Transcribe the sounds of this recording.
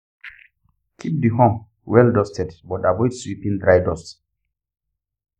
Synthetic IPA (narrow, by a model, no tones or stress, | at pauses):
kʰip̚diɦɔ̃m | wɛldɔstɛdbɔtavɔjdswipĩndɾajdɔst